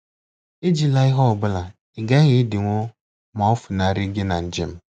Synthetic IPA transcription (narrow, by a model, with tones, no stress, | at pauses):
e˦d͡ʒi˦la˦ɪ˦ɦɔ˦ɔ˨ɡ͡bʊ˦la˨ | ɪ˨ɡa˦ɣɪ˦dɪ˨ŋʷo˦ | ma˨˦ɔ˦fʊ˨na˨ɾɪ˦ɡe˦na˨n̩˨d͡ʒi˦m̩˦